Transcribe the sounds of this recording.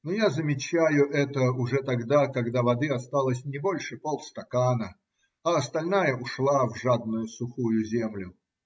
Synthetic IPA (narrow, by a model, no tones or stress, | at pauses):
nojazəmʲɪt͡ɕæjʊʔɛt̪əʊʐɛt̪ɐɡd̪akɐɡd̪avɐd̪ɨɐst̪alˠəsʲnʲɪbo̞lʲʂɨpolˠst̪ɐkanə | ɐːst̪ɐlʲnajəʊʂlˠavʐad̪̚nʊjʊsʊxujʊzʲemlʲʊ